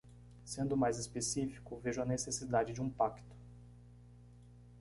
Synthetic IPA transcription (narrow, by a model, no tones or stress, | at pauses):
sẽnd̪ʊmajzespesifi̥kʊveʒʊɐnesesid̪ad͡ʒɪd͡ʒɪũpakt̪ʊ̥